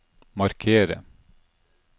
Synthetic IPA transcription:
mɑɾkʰeːɾə̰

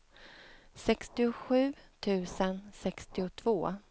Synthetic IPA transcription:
sɛkst̪ɪʊɧʉ̟ːt̪ʰʉ̟ːsənsɛkst̪ɪʊt̪ʰv̥oː

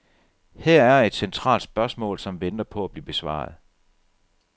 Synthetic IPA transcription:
hɛɐ̰æɐe̝d̥sent͡sʰʁɑ̰̈ːld̥sb̥ɶɐsmɔ̰̽ːlsɒ̽mʋend̥ɐpʰɒ̽æb̥liːb̥e̝sʋɑ̰̈ːð̞̩ˠ

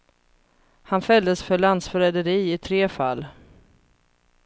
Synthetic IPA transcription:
hanfœld̪əsfœɭand̪sfœɾɛd̪əɾiːɪt̪ʰɾeːfa̰lː

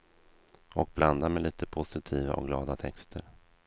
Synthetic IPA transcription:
ɔk̚bland̪amɛliːt̪ʰəpʰʊsɪt̪ʰiːva̰ʔɔ̰k̚ɡlɑːd̪at̪ʰɛkst̪ʰəɾ

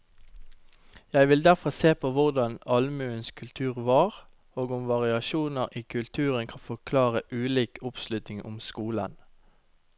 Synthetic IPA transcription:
jæɪʋɪld̪æʁfɔseːpʰoːʋʊʁd̪ɑnɑlmʉːənskʰʉlt̪ʰʉːʁʋɑːʁ | oːɡʊmʋɑʁɪɑʃuːnəʁiːkʰʉlt̪ʰʉːʁənkʰɑnfɔʁkʰlɑːʁəʔʉːliːkʰʊpslʉt̪nɪŋʔʊmskuːlə̰n

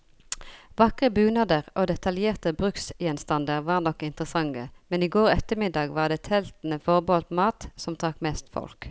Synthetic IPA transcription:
ʋɑkʁəbʉːnɑd̪əʁʔoːd̪ɛt̪ɑljeːʁt̪əbʁʉksjɛnst̪ɑnd̪əʁʋɑːʁnɔkːɪnt̪ʁəsɑŋːəmɛniːɡoːʁɛt̪əmɪd̪ɑːɡʋɑːʁd̪eːt̪ʰɛlt̪n̩əfɔʁboːmɑːt̪sɔmt̪ʰʁɑkmeːst̪fɔ̰lk

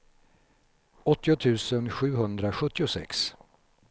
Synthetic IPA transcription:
ɔt̪ːɪʊt̪ʰʉ̟ːsənɧʉ̟ːɦɵnd̪ɾaɧɵt̪ːɪʊsɛ̰ks

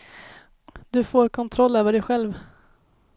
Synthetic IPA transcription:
d̪ɵfoːɾkʰɔnt̪ʰɾɔlːøːvəɖɛjɧɛlv

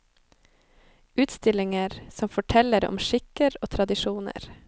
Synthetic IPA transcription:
ʔʉːt̪st̪ɪlɪŋəɾsɔmfɔʈʰɛləɾɔ̰mʃɪkəɾoːt̪ʰɾɑd̪ɪʃuːnə̰ɾ

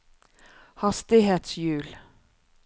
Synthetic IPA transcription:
hɑst̪ɪheːt̪sjʉːl

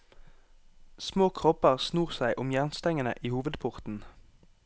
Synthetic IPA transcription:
smoːkʰʁɔpəʁsnuːʁsæɪʔʊmjæʁnst̪ɛŋənə̰ʔiːhuːʋəd̪pʰʊʁt̪n̩

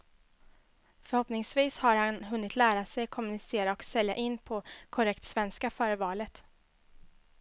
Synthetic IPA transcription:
fœɾhɔpnɪŋsviːshaɾhanɦɵnːɪt̪ʰlæːɾasɛjkʰɔmɵnɪseːɾaɔksɛlja̰ʔɪnːpʰɔkʰɔɾɛkt̪svɛnskafœːɾəvɑːlət̪

